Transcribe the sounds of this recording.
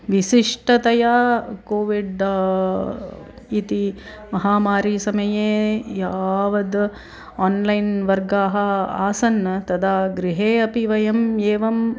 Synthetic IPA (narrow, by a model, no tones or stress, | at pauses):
ʋiʃiʂʈɐt̪ɐjaːkoːʋiɖ | it̪i | mɐɦaːmaːɾiːsɐmɐjeːjaːʋɐd̪ | aːnlɐjnʋɐɾɡaːɦɐ̆aːsɐnːɐt̪ɐd̪aːɡɾiɦeːɐpiʋɐjɐmeːʋɐm